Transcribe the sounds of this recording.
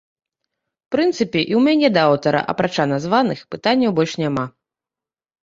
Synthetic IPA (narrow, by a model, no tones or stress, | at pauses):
pɾɨnt̪sɨpʲɛʔiwmʲanʲɛd̪ɐawt̪ɐɾɐ̰ʔɐ̰pɾat͡ʂanazvanɨxpɨt̪anʲːɐwbɔlʲʂnʲama